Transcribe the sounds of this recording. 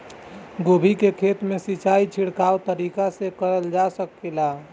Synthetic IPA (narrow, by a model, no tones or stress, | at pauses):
ɡobʱikekʰet̪mẽsit͡ʃait͡ʃʰiɽkaːwt̪əɾikasekəɾəld͡ʒasəkːela